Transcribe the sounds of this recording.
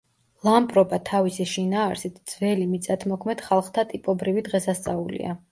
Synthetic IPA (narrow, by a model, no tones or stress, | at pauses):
lˠampʼɾɔbat̪ʰavisiʃinaːɾsit̪ʰd̪z̥vɛlimit̪sʼat̪ʰmɔkʰmɛd̪̥χalˠχt̪ʰat̪ʼipʼɔbɾivid̪ʁɛsast̪sʼaulḭa̰